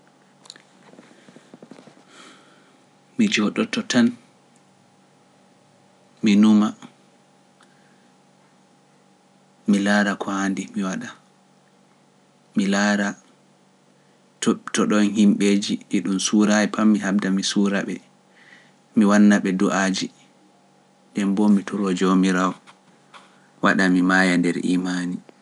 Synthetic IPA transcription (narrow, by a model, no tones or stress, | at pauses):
mid͡ʒɔɗɔtɔtan | minuma | milaːɾakʰɔhandimiwaɗa | milaɾa | tɔɗɔnhimɓeːd͡ʒiʔiɗumsuɾajɛpʰamːihab̚damisuːɾaɓɛ̰ | miwanːaɓɛduʔaːd͡ʒi | ɗɛmbɔmitʰuɾɔd͡ʒomiɾawɔ | waɗamimaːjandɛɾʔḭːmaːni